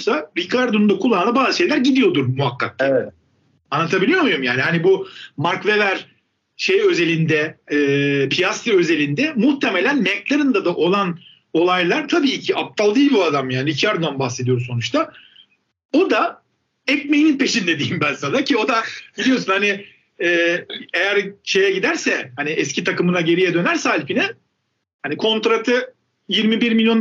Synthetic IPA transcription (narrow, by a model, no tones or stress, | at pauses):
saɾikʰaɾd̪ond̪akʰulˠanlabaːzɯʃe̞jlʲæɾɟid̪ijo̞d̪uɾmuɦakʰːa̰t̪ːaɛ | anːˠat̪ʰabilʲijo̞ɾmujumjaːnihanibumaɾkvevæɾ | ʃejø̞ze̞lʲind̪ɛɯːpʰijast̪ɾø̞ze̞lʲind̪ɛmuht̪ʰe̞me̞lʲænmɛklˠaɾɯnd̪ad̪aʔo̞lˠan | o̞lˠajlˠaɾt̪ʰabiːcʰiap̚t̪ʰalˠd̪ijːlʲbiad̪amjaːniicʰiaɾd̪oambaxse̞d̪ijoɾmso̞nut͡ʃt̪ʰa | o̞d̪a | ɛc̚mejninpʰe̞ʃind̪e̞d̪iːimbænsanacʰio̞d̪ab̥ilʲijo̞ɾsunhaniː | e̞jæɾʃe̞jɛɟid̪æɾsɛhaniʔɛscit̪ʰakɯmɯnaɟe̞ɾijɛd̪ø̞næɾsɛalʲpinɛ | hanikʰo̞nt̪ɾat̪ʰɯ | jiɾmibiɾmilʲjo̞n